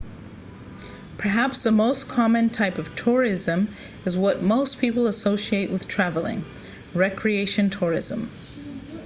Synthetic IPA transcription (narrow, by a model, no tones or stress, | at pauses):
pʰə˞ɦæpsðəmoʊskʰɑmɨ̃ntʰaɪpʌv̥tʰʊɹɪzɨ̃m | ɨzwʌt̚moʊspʰipl̩ˠəsoʊʃieɪʔwɨð̥tʰɹ̥ævl̩ˠɪ̰̃ŋ | ɹɛkʰɹieɪʃɨ̃ntʰʊɹɪ̰zə̃m